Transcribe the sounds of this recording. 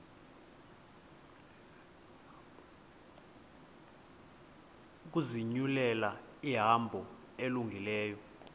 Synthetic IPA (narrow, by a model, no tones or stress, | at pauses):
k̬uziɲulɛla | iɦambʱɔ | eluŋɡʱilɛːjɔ